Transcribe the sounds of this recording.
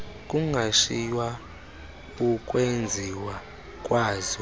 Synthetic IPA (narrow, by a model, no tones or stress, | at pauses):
kʼuŋɡʱaʃijwa | ukʼwend͡zʱiwa | kʼwaːzɔ